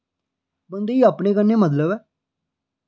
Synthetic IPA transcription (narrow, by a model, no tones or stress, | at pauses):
bənd̪eːiːaːpɳeːkənːeːmət̪̬ləbɛː